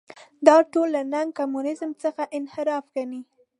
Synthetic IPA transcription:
d̪ɑʈolːanaŋɡkamunɪzmt͡səxaʔɪnhɪɾɑfɡ̥ani

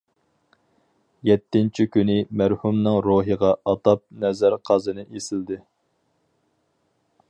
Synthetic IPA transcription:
jɛt̪ʰːɪnt͡ʃʰikʲynɪmæɾhumnɨŋɾoɦəʁɑɑt̪ɑp̚nɛzæɾqʰɑːzɨnɨʔesɪld̪ɪ

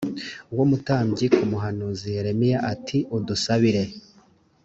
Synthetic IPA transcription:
uwomutaːmɟikʰumuɦanuzieɾe̞mijaʔatʰiudusaβiɾe̞

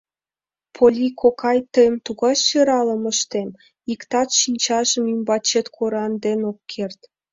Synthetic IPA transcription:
pʰolʲikʰokʰɑjt̪əjəmt̪uɣɑsːøɾɑlə̆məʃt̪em | ikt̪ɑt̪ʃinʲt͡ɕɑʒəmymbɑt͡ɕet̪kʰoɾɑnd̪enokʰːert̪

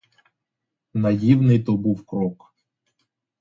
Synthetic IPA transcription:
nɐjiwnɪjt̪ɔbuwkɾɔk

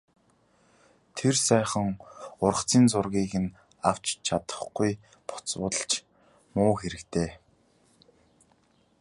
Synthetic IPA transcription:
t̪ʰersæːχə̆ŋʊrə̆χt͡siːnt͡sʊrɣiːɣɘ̆n | aw̥t͡ɕt͡ɕʰat̪ə̥̆χɡuj | pʊ̥t͡spʊːt̪ə̆ɮt͡ɕ | mʊːxeɾɘ̆kt̪ʰeː

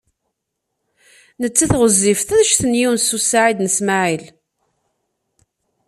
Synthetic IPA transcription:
nət͡sːæθʁəzːifθæðʃθənjuwnsusaʕid̪nəsmaʕil

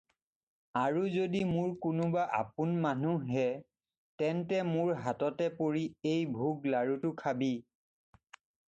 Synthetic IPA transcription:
aɹuzodimʊɹkʊnʊbaʔa̰pʊnmanuɦɛ | tɛntɛmʊɹɦatɔtɛpoɹiejbʱuɡlaɹutʊkʰabi

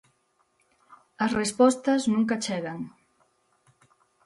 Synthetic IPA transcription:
ɐsrespɔst̪ɐznũŋkɐt͡ʃɛɣaŋ

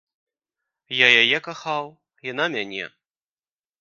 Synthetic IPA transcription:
jajajɛkaxaw | janamʲanʲɛ̰

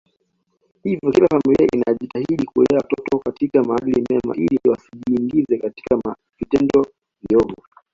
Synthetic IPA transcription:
hivjɔkilafamiliaʔina̰ʄitahiɗikuɛ̰lɛawatɔtɔkatikamaaɗilimɛma̰ʔiliwasiʄiːŋɡizɛkati̥kama | vitɛndɔ | viɔɡɔ

